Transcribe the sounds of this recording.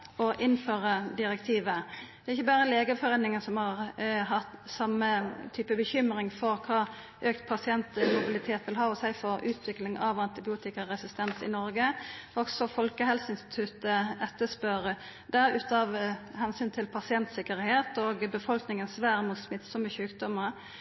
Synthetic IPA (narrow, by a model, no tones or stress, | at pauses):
ɔʔɪnføːʁəd̪ɪʁɛkt̪ʰiːʋəd̪̥ɛʁɪçːəbæːʁəleːɡəfɔʁeːnnɪŋənsɔmhɑʁɦɑt̪sɑmːət̪ʰyːpəbəçʏmɾɪŋfɔʁkʰɑː | ʔøːk̚t̪pʰɑsɪɛnt̪mʊbɪlɪt̪ʰeːt̪ʋɪlɦɑːɔsæɪfɔɾʉːt̪ʰʋɪklɪŋɑʋɑnt̪ɪbɪuːt̪ɪkəʁɛsɪst̪ɛnsɪ̰nɔɾɡəɔksɔfɔlkəɦɛlsəɪnst̪ɪ̥t̪ʰʉt̪əɛt̪ːəspœɾə | d̪æɾʉːt̪ɑʋhɛnsyːnt̪ʰɪlpʰɑsɪɛnt̪sɪkəɾheːt̪oːɡbəfɔlknɪŋənsʋæːɾmuːt̪smɪt̪ːsɔmːəçʉːkd̪ɔmːəɾ